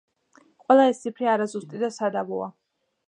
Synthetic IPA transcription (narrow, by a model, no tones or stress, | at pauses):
qʼwɛlˠaɛst̪sipʰɾiaɾazust̪ʼid̪asad̪abɔa̰